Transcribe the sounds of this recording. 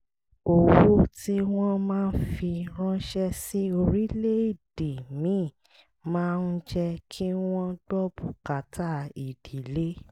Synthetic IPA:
o˨wu˦ti˦w̃ɔ̃˦mãː˦˧n̩˦fi˧ɾ̃ɔ̃˦ʃɛ˦si˦o˧ɾi˦le˦i˦˨di˨mĩ˨˦˨ | mãː˦˧n̩˧d͡ʒɛ˧kʰi˦w̃ɔ̃˦d̥ɔ˦bu˨ka˨ta˦˨i˨d̥i˨˦le˦

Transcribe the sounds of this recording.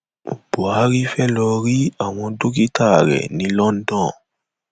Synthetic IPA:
b̥u˨a˨˦ɾi˦fɛ˦lɔ˧ɾi˦a˨w̃ɔ̃˧do˦ki˦tʰa˦˨ɾɛ̰˨nĩ˨˦lɔ˦n̩˦dɔ̃˦˨

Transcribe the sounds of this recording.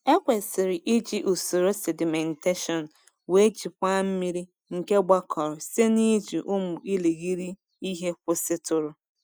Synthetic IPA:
e˦kʷe˨sɪ˨ɾɪ˨ʔɪ˦d͡ʒi˦ʔu˨su˨ɾo˦se˨dɪ˨me˨nte˦ʃɔ˨n˨ | we˦d͡ʒi˨kʷa˦m̩˦mi˦ɾi˦ | ŋ̩˨ke˦ɡ͡ba˦kʰɔ˨ɾʊ˨se˦ni˦d͡ʒi˨ʔʊ˦mʊ˨i˦le˨ɣi˦ɾi˦ | i˦ɦe˦kʷʊ˦sɪ˦tʊ˨ɾʊ˨

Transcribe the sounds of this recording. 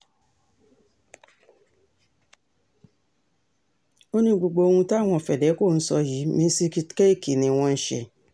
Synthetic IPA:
o˦nĩ˦ɡ͡bo˨ɡ͡bo˨˧o˧wũ˧ta˦˨w̃ɔ̃˧˨fɛ˨dɛ˨˦ko˦˨n̩˦sɔ˧ji˨˦mĩ˦si˦ki˧ke˦i˦˨ki˨nĩ˧w̃ɔ̃˧n̩˦ʃḛ˧

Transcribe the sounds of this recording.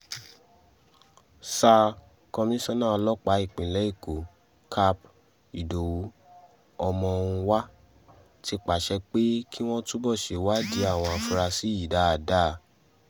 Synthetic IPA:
sa˧ | kɔ˧mĩ˦sɔ̃˦nã˦ɔ˧lɔ˦k͡pa˨˦i˦˨k͡pĩ˨lɛ˨˦i˦˨ko˨ | kʰa˧p | i˨do˨wu˨˦ | ɔ˧mɔ̃˧o˧ɾũ˧wa˦ | ti˧k͡pa˨ʃɛ˧k͡pe˦kʰi˦w̃ɔ̃˦tu˦bɔ˦˨ʃe˨wa˦di˨˦a˦˨w̃ɔ̃˧a˧fu˧ɾa˧si˨˦i˨da˨˦˨da˦˨

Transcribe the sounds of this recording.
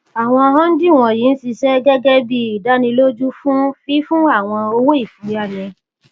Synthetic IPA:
a˨w̃ɔ̃˧ɦã˦n̩˦di˦˨w̃ɔ̃˧˨ji˨˦n̩˦si˧ʃɛ˦ɡɛ˦ɡɛ˦bi˧i˨da˨˦nĩ˧lo˦d͡ʒu˦fũ˦fi˦fũ˦a˦˨w̃ɔ̃˧o˧wo˦i˦˨fi˨ja˦˨nĩ˨˧

